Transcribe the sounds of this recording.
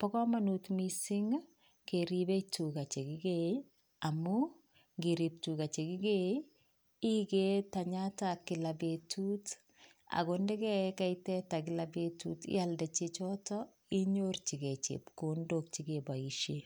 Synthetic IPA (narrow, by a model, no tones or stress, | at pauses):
pɔkɔmanutmisiŋ | keɾibetukat͡ʃekiɡe | amu | ŋɡiɾip̚tukat͡ʃekiɡe | iketaɲatakːɪlabetut | a̰ɡondɛkɛkajtɛtakɪlabetutɪ̰aldat͡ʃet͡ʃɔtɔ | iɲort͡ʃiɡet͡ʃḛpkondok̚t͡ʃikebaiʃe